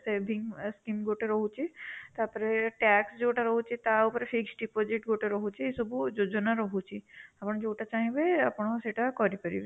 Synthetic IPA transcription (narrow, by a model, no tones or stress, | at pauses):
sebʱiŋskimɡoʈeɾɔɦut͡ʃʰit̪aɾpɔɾeʈɛksd͡ʒeːʈaɾɔɦut͡ʃʰit̪aupɔɾefʰiksɖipɔd͡ʒiʈɡoʈeɾɔɦut͡ʃʰiesɔbud͡ʒod͡ʒɔnaɾɔɦut͡ʃʰiapɔɽ̃ɔd͡ʒeːʈat͡ʃaɦĩbeapɔɽ̃ɔseʈakɔɾipəɾḭbe